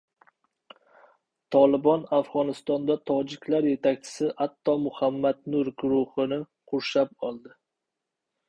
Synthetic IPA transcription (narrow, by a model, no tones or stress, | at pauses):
t̪ʰɒlˠɪbɒnafʁɒnɪst̪ɒnd̪at̪ʰɒd͡ʒɪkʲlaɾje̞t̪ʰakʲt͡ʃʰɪ̥sɪʔat̪ʰːɒmʊhamːad̪nʊɾɡʊɾʊhɨnɪ | qʰʊʃap̚ɒlˠd̪ɪ